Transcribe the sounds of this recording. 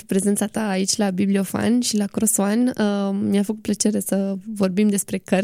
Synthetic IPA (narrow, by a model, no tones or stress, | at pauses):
pɾe̞ze̞nt̪sat̪aːit͡ʃʲlabiblio̞fa̰nʃilakɾosoanmiafəkut̪̚plət͡ʃe̞ɾe̞səvo̞rbimd̪e̞spɾe̞kər